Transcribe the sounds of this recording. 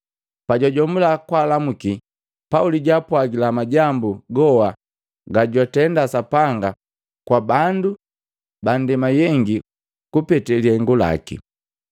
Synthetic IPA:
paɟaɟɔmulakwaːlamuki | pauliɟapwaɡilamaɟambuɡɔwa | ɡaɟwatɛndasapaŋɡa | kwabandu | bandɛmajɛŋɡi | kupɛtɛliaŋɡula̰kḭ

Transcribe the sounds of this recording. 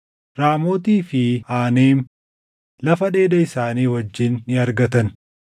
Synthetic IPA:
ɾaːmo̞ːt̪iːfɪaːneːm | lɐfɐᶑe̞ːd̪ɐɪsaːniːwɐd͡ʒːɪnːɪɐɾɡɐt̪ɐn

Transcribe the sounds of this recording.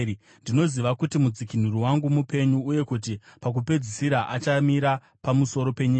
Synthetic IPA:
ndino̞ziʋakutimud͡zikin̤uɾuwaŋɡumupe̞ɲuːje̞kut̬ipak̬upe̞d͡zisiɾaʔat͡ʃamiɾa | pamuso̞ɾo̞pe̞ɲiːa

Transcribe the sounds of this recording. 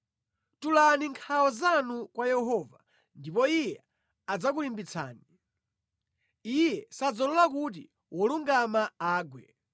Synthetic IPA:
tulaniŋkʰaɔzanukwajɛɦɔva | ndipɔijɛ | ad͡zakulimbit͡sʰa̰ːni | ijɛsad͡zɔlɔlak̬ut̬ḭ | wɔluŋɡamaaːɡwɛ̰

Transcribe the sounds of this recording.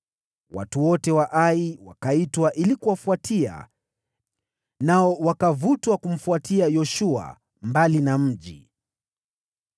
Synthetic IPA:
wa̰tuwɔtɛwaʔaiwakaitwaʔilikuwafuatʰia̰ | naɔwakavutwakum̩fuatiajɔʃua̰ | mbalinam̩ʄḭ

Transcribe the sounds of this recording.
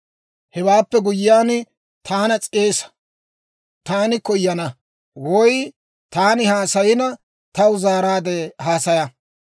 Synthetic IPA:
hɛwaːpːɛɡʊjɪjaːn | t̪ʰaːnɐt͡sʼeːsɐ̥ | t̪aːnɪkɔjːɐnɐ | wɔj | t̪aːnɪhaːsɐjɪnɐ | t̪ɐwʊzaːɾaːd̪ɛhaːsɐjɐ

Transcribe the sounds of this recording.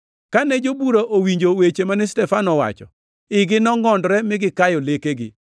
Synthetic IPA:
kanɛd͡ʒobuɾaʔowiɲd͡ʒowet͡ʃemanɪstɛfanɔwa̰t͡ʃɔ̰ | ɪɡɪnɔŋɔndɾɛmɪɡɪkajɔlekeɡɪ̰

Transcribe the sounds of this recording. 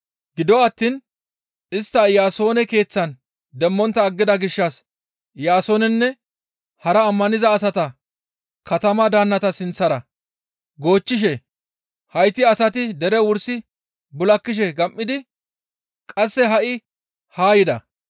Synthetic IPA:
ɡɪd̪ɔɐt̪ːin | ɪst̪ːɐjaːso̞ːnɛke̞ːt͡sːɐn | d̪ɛmːɔnt̪ːɐːɡːɪd̪ɐɡɪʃːɐs | jaːso̞ːnɛnːɛ | hɐɾɐːmːɐnɪzɐːsɐt̪ɐ | kɐt̪ɐmɐd̪aːnːɐt̪ɐsɪnt͡sːɐɾɐ | ɡo̞ːt͡ʃːɪʃ̬ɛ | hɐjt̪ːɪɐsɐt̪ɪd̪ɛɾɛwʊɾsɪ | bʊlɐkːɪʃ̬ɛɡɐmʔːɪd̪ɪ | kʼɐsːɛɦɐʔɪ | haːjɪd̪ɐ̰

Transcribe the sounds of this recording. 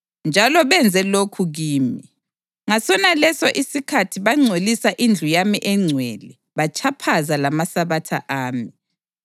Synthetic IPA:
nd͡ʒʱalɔβɛnd͡zʱɛlokʰuɣiːmi | ŋasɔnalɛsɔʔisikʰatʰiβaŋ͡ǀʱolisaʔind͡ɮʱujamiʔɛŋ͡ǀʱweli | βat͡ʃʰapʰazalamasaβatʰa̰ʔaːmi

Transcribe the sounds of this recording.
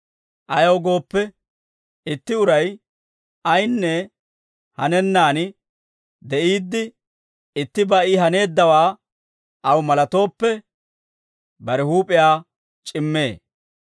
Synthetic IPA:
ʔɐjɐwɡo̞ːpːɛ | ɪt̪ːɪʊɾɐj | ɐjnːɛ | hɐnɛnːaːn | d̪ɛʔiːd̪ːɪ | ɪt̪ːɪbɐʔɪɦɐne̞ːd̪ːɐwaː | ʔɐwmɐlɐt̪o̞ːpːɛ | bɐɾɛhuːpʼɪjaː | t͡ʃʼɪmːe̞̰ː

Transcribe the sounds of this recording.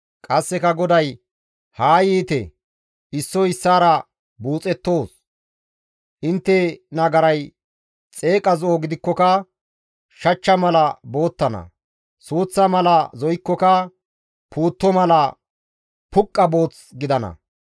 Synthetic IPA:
kʼɐsːɛkɐɡɔd̪ɐj | haːjiːt̪ɛ̰ | ɪsːɔɪsːaːɾɐ | buːt͡sʼɛt̪ːo̞ːs | ʔɪnt̪ːɛnɐɡɐɾɐj | t͡sʼe̞ːkʼɐzoːɡɪd̪ɪkːɔkɐ | ʃɐt͡ʃːɐmɐlɐbo̞ːt̪ːɐnɐ̰ | suːt͡sːɐmɐlɐzɔjɪkːɔkɐ | puːt̪ːɔmɐlɐ | pʊkʼːɐbo̞ːt͡s | ɡɪd̪ɐnɐ̰

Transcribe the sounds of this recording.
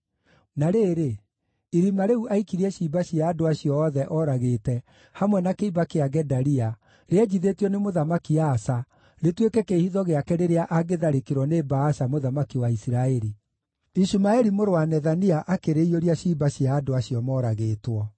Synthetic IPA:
naɾeːɾe | iɾimaɾeuʔaikiɾiɛɕiːbaɕiaːdoaɕiɔːðɛʔɔɾaɣeːtɛ | hamwɛnakeibakeaɡɛdaɾia | ɾeɛd͡ʑiðetiɔnemoðamakiaːsa | ɾetwekɛkehiðɔɣeakɛɾeɾeaʔaɣeðaɾekeɾwɔnebaːʃamoðamakiwaisiɾaɛɾi | iʃumaɛɾimoɾoanɛðaniaʔakeɾeioɾiaɕibaɕiaːdoaɕiɔmɔːɾaɣeːtwɔ

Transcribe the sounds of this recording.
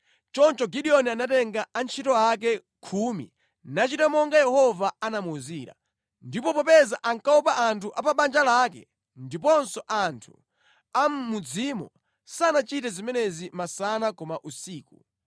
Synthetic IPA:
t͡ʃɔnt͡ʃɔɡiɗiɔnianatɛŋɡaant͡ʃʰitɔak̬ɛ | kʰumḭ | nat͡ʃitamɔŋɡajɛhɔvaanamuziːɾa̰ | ndipɔpɔpɛzaʔaŋkaɔpaʔantʰuʔapaɓand͡ʒalakɛ̰ | ndipɔnsɔʔantʰu̥̰ | ammud͡zimɔ̰ | saːnat͡ʃitɛzimɛnɛzimasanakɔmaʔusiːku

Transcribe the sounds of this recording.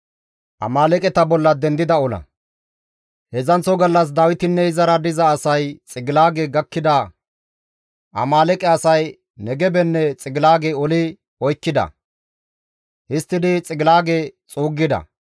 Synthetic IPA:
ʔɐ̰maːlɛkʼɛt̪ɐbɔlːɐd̪ɛnd̪ɪd̪ɐɔlɐ̰ | hɛzɐnt͡sɔɡɐlːɐs̬d̪ɐwɪt̪ɪnːɛɪzɐɾɐd̪ɪzɐːsɐjt͡sʼɪɡɪlaːɡɛɡɐkːɪd̪ɐ | ʔɐ̰maːlɛkʼɛɐsɐj | nɛɡɛbɛnːɛt͡sʼɪɡɪlaːɡɛɔlɪ | ɔjkːɪd̪ɐ̰ | hɪst̪ːɪd̪ɪt͡sʼɪɡɪlaːɡet͡sʼuːɡːɪd̪ɐ̰

